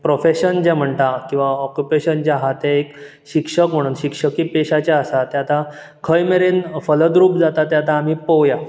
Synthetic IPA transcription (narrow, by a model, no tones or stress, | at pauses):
pɾofeɕənd͡ʑɛm̤əɳt̪akĩw̃ʋaɔkjupeɕənd͡ʑjaɦat̪ɛek | ɕikʂəkm̤əɽ̃uːnɕikʂəkiːpeɕat͡ɕjaəsat̪jat̪a | kʰəjmeɾenfələd̪ɾuːpd͡zat̪at̪jat̪aːm̤iːpəwja